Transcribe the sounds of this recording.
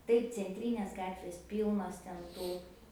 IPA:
ˈtɐɪp t͡sʲɛnʲˈtʲrʲiːnʲeːs ˈɡɑːtʲʋʲeːs ˈpʲiːlˠnoːs tʲɛn ˈtuː

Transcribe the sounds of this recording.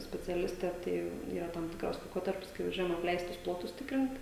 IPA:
sʲpʲɛt͡sʲɛˈlʲɪsʲtʲɛ ˈtɐɪ iːˈrɐ tɐm ˈtʲɪkrɐs lˠɐɪˈkoːtɐrʲpʲɪs kɐɪ ʋɐˈʒʲuɔjɛm ɐpʲˈlʲɛɪstʊs ˈplˠoːtʊs ˈtʲɪkrʲɪnt

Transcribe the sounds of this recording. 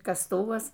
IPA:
kɐsˈtʊʋɐs

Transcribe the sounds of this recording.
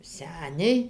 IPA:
ˈsʲæːnʲɛɪ

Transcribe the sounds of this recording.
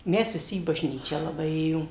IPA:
ˈmʲɛs ʋʲɪˈsʲɪ iː bɐʒʲˈnʲiːt͡ʃʲæː lˠɐˈbɐɪ ˈeːjoːm

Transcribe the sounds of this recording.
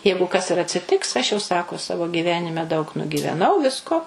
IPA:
ˈjɛɪɡʊ kɐs ɪr ɐtʲsʲɪˈtʲɪks ɐʃ jɛʊ ˈsɑːkoː ˈsɑːʋoː ɡʲiːˈʋʲæːnʲɪmʲɛ dɐʊk nʊɡʲiːʋʲɛˈnɐʊ ˈʋʲɪskoː

